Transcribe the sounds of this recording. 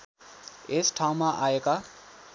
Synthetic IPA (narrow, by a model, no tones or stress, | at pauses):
esʈʰaũmaʔaeka